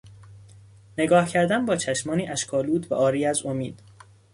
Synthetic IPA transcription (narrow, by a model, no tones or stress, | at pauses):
ne̞ɡɒːhcʰæɾd̪ænbɒːt͡ʃʰæʃmɒːniːʔæʃkʰɒːluːd̪væʔɒːɾiːæzo̞miːd̪̥